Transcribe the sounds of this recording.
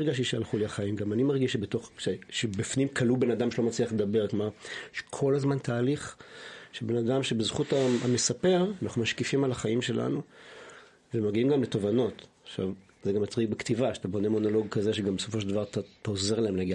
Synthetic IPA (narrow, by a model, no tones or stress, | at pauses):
ʁɡaʃ̬iʃea̰lχuliaχaimɡamanimaʁɡiʃebeto̞χʃeʃebifnimkʰalube̞nad̪amʃelo̞mat͡sliaχled̪abe̞ʁkmaʃe̥kʰo̞lazmant̪ʰaːliχʃebe̞nad̪amʃebezχutaame̞sape̞ʁanaχnumaʃkifimalaχaimʃe̞lʔa̰nu | vemaɡiimɡamleto̞vano̞taχʃa̰v | zeɡamat͡sʁiɡ̚bekt̪ivaʃeat̪abo̞ne̞mo̞no̞lo̞ɡ̚kazeʃeɡambeso̞foʃeldavaʁt̪ataoze̞ʁlaemleaɡi